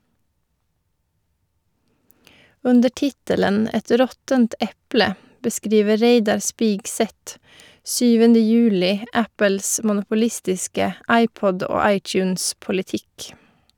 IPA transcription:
ˈʉndə ˈʈɪtələn ˈɛt ˈɾɔtənt ˈɛplə bəˈskɾiːʋə ˈɾeɪdɑɾ ˈspiːɡˌsɛt ˈsyːʋəndə ˈjʉːlɪ ə ˈæpəls mʊnʊpʊˈlɪstɪskə ˈɑɪˌpɔd ˈoː ˈɑɪˌt͡ʃʉːnspʊlɪˌtɪk

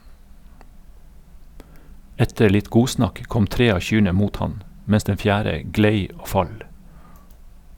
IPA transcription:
ˈɛtə ˈɭɪt ˈɡuːˌsnɑk ˈkɔm ˈtɾeː ˈɑː ˈçyːɳə ˈmuːt ˈhɑn ˈmɛs ˈdɛn ˈfjæːɾə ˈɡleɪ ˈoː ˈfɑl

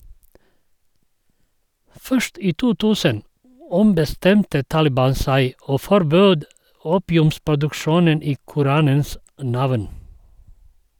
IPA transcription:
ˈfœʃt ˈiː ˈtuː ˈtʉːsən ˈɔmbəˌstɛmtə ˈtɑːlɪˌbɑːn ˈsæɪ ˈoː fɔɾˈbøːd ˈuːpɪʉmspʊdʉkˌʃuːnən ˈiː kʊˈɾɑːnəns ˈnɑʋn

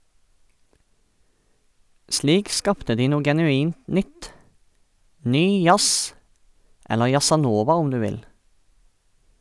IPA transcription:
ˈsliːk ˈskɑːptə ˈdiː ˈnuː ɡɛnʉˈiːnt ˈnʏt ˈnyː ˈjɑs ˈɛlə jɑsɑˈnoːʋɑ ˈʊm ˈdʉː ˈʋɪl

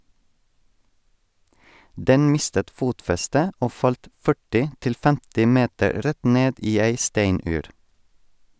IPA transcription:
ˈdɛn ˈmɪstət ˈfuːtfɛstə ˈoː ˈfɑlt ˈfœʈɪ ˈtɪl ˈfɛmtɪ ˈmeːtəɾ ˈɾɛt ˈneːd ˈiː ˈæɪ ˈstæɪnʉːɾ

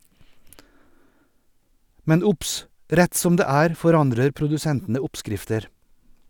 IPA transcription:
ˈmɛn ˈʊps ˈɾɛt ˈsɔm ˈdeː ˈæːɾ fɔˈɾɑndɾəɾ pɾʊdʉˈsɛntn̩ə ˈʊpˌskɾɪftəɾ

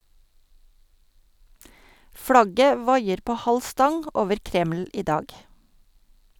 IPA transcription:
ˈflɑɡə ˈʋɑɪəɾ ˈpoː ˈhɑl ˈstɑŋ ə ˈoːʋəɾ ˈkɾɛml̩ ˈiː ˈdɑːɡ

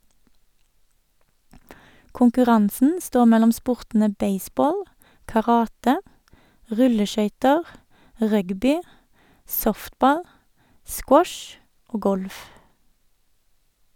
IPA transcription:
kʊŋkʉˈʁɑnsn̩ ˈstoː ˈmɛlɔm ˈspʊʁtn̩ə ˈbeɪˌsboːl kɑˈʁɑːtə ˈʁʉləˌʃœʏtəʁ ˈʁœɡbɪ ˈsɔftˌbɑl ˈskwɔʃ ˈoː ˈɡɔlf

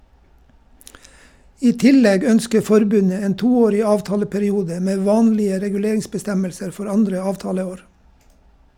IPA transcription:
ˈiː ˈtɪˌlɛɡ ˈœnskə ˈfɔɾˌbʉnə ˈeːn ˈtuːˌoːɾɪ ˈɑːʋˌtɑːləpæɾɪˌuːdə ˈmeː ˈʋɑːnlɪə ɾɛɡʉˈleːɾɪŋsbəˌstɛməlsəɾ ˈfɔɾ ˈɑndɾə ˈɑːʋˌtɑːləˌoːɾ

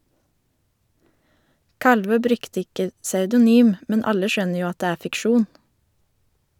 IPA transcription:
ˈkɑlʋøː ˈbɾʉkt ˈɪkə sɑʉdʊˈnyːm ˈmɛn ˈɑlə ˈʃœnə ˈjuː ˈɑt ˈdeː ˈæː fɪkˈʃuːn

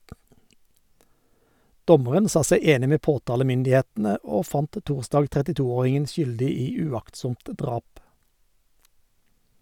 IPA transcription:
ˈdɔməʁən ˈsɑː ˈsæɪ ˈeːnɪ ˈmeː ˈpoːˌtɑːləmʏndɪˌheːtn̩ə ˈoː ˈfɑnt ˈtuːʁˌsdɑːɡ tʁɛtɪˈtuːˌoːʁɪŋən ˈʃʏldɪ ˈiː ʉˈɑktˌsʊmt ˈdʁɑːp

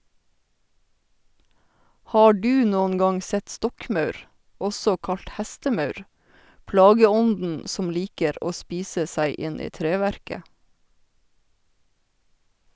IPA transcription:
ˈhɑː ˈɖʉː ˈnoːnŋ ˈɡɑŋ ˈsɛt ˈstɔkˌmɑʉɾ ˈɔsɔ ˈkɑʎt ˈhɛstəˌmɑʉɾ ˈplɑːɡəˌɔndn̩ ˈsɔm ˈliːkəɾ ˈʔoː ˈspiːsə ˈsæɪ ˈʔɪnɪ ˈtɾeːʋæɾkə

